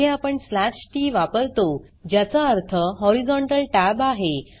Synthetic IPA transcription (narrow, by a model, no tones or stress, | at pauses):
ẽapəɳslaɕʈiːʋapəɾt̪o | d͡ʑjat͡saəɾt̪ʰəɦɔɾid͡zɔɳʈəlʈabaɦe